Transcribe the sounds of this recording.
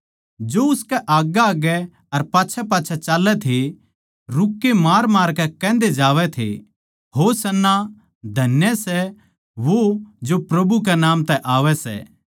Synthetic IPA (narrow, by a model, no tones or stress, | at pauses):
d͡ʒoːʊskɛʔaːɡaaːɡɛ | ɐɾpaːt͡ʃʰɛpaːt͡ʃʰɛt͡ʃaːlːɛt̪ʰe | ɾʊkːemaːɾmaːɾkɛkɛ̃ːnd̪ed͡ʒaːʋɛt̪ʰḛ | ɦoːsɐnːa | d̪ʱɐnjəsɛ | ʋod͡ʒopɾɐbʱuk̬ɛnaːmt̪ɛʔaːʋɛsɛ̰ː